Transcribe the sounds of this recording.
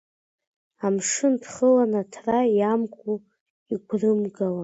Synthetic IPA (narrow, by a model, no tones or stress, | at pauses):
amʂɨndχəlanatʰrajamkʷʼu | iɡʷrɨmɡawa